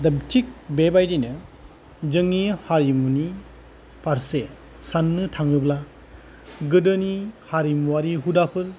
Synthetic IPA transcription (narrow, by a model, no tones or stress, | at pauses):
dɐbtʰik̚bebajdinɯ | d͡ʒɯŋihaɾimuni | paɾse | sanːɯtʰaŋɯbla | ɡɯdɯnihaɾimwaɾiɦudapʰɯɾ